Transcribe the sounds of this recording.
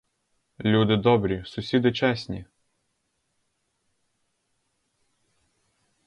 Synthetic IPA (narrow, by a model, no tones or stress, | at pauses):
lʲud̪ɪd̪ɔbɾʲisʊsʲid̪ɪt͡ʃɛsʲnʲḭ